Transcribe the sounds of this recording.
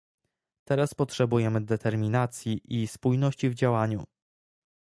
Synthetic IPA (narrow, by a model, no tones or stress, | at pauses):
t̪ɛɾaspɔtʂɛbujɛmɘd̪ɛt̪ʰɛɾmʲinat̪sʲjiʔispujnɔɕt͡ɕivd͡ʑawaɲu